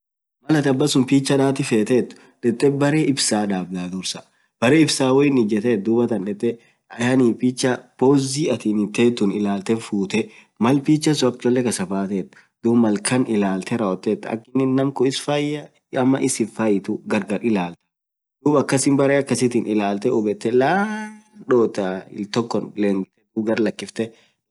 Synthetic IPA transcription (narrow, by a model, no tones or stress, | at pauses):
mɐlɐt̪ɐbːɐsʊmpiːt͡ʃːɐᶑ̪aːt̪ɪfeːt̪eːt̪ːʊ̥ | ᶑɛt̪ʼːɛbɐɾeːɪbsaːd̪aːbd̪aːd̪ʊɾsɐ | b̥ɐɾeːɪbsaːwɔɪnɪd͡ʒɛt̪eːt̪̚d̪uːbɐt̪ɐnᶑɛt̪ʼːɛ | ɐjaniːpit͡ʃːɐpoːziːɐt̪iːnɪt̪ːeːt̪ːʊnɪlaːlt̪ɛfuːt̪ɛ | mɐlpiːt͡ʃːɐs̬ʊɐk̚t͡ʃ̪ːɔlːɛkɐsɐfaːt̪eːt̪ːʊ̥ | d̪uːbmːɐlkɐnɪlaːlt̪ɛɾɐwɔt̪ːeːt̪ːɐ̰kːɪnːɪnnɐmkʊɪsfɐjːɐ | ɐmːɐ̰ʔɪsɪfɐjɪt̪ʊɡɐɾɡɐɾɪlaːlt̪ɐ̥ | d̪̥uːbɐkːɐsɪmbɐɾeɐkːɐsɪt̪ɪnʔɪlaːlt̪ɛʔʊbɛt̪ːɛlaːᶑoːt̪aɪ̰lt̪ɔkːɔnleːŋɡɪt̪ːɛd̪uːbɡɐɾlɐkːɪft̪ɛ